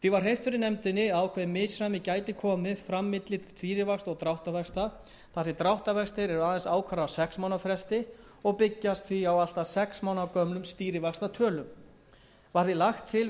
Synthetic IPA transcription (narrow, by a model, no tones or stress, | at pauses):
θivaɾ̥rejft̪fɪɾɪɾnɛmt̪ɪnːɪawkʰvɛːðmɪːsɾajmɪcaːjt̪ɪkʰɔːmɪfɾamːɪt̪lɪt̪ʰɪ̥l̥st̪iːɾɪvakst̪ɔɣt̪ɾawht̪avɛkst̪a | θasɪt̪ɾawht̪avɛkst̪ɪɾɛɾʏaːðɛnsaːwkʰvaɾaawsɛksmawnafɾɛst̪ɪ | ɔɣpɪcːast̪θfiawal̥t̪asɛksmaːwnakœmlʏmst̪iːɾɪvakst̪at̪ʰœːlʏm | vaɾ̥θɪlaxt̪ʰːɪl